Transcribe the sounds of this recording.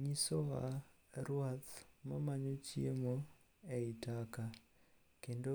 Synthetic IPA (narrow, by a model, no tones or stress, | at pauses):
ɲisoɣa̰ | ɾwaθmamaɲociemo | eitaka | keːndo